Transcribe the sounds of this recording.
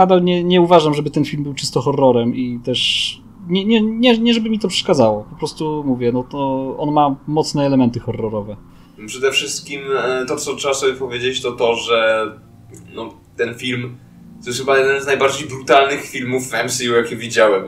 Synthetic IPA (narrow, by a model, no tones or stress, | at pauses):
ad̪alɲɛɲɛuvaʐamʐɛbɘt̪ɛnfʲilmbɘwt͡ʂɘst̪ɔxɔrːɔɾɛmit̪ɛʂ | ɲɛɲɛɲɛɲɛʐɛbɘmʲit̪ɔpʂɛ̥ʂkad̪zawɔpɔpɾɔst̪umuvʲjɛnɔt̪ɔɔnmamɔt̪snɛːlɛmɛnt̪ɘxɔrːɔɾɔvɛ | pʂɛd̪ɛfʂɘst̪̚kʲimt̪ɔt̪sɔtʂɛbasɔbʲjɛpɔvʲjed͡ʑet͡ɕt̪ɔt̪ɔʐɛ | nɔ | t̪ɛnfʲilm | t̪ɔjɛsxɘbajɛd̪ɛnznajbaɾd͡ʑejbɾut̪alnɘxfʲilmufɛmsijujakʲivʲid͡ʑawɛm